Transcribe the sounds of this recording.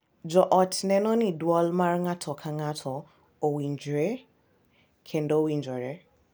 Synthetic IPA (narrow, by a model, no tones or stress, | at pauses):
d͡ʒɔʔɔtʰnɛnɔ̃nĩdwɔlmaɾŋatʰɔkʰãŋatʰɔ | owind͡ʒɾe | kʰendowind͡ʒɔɾe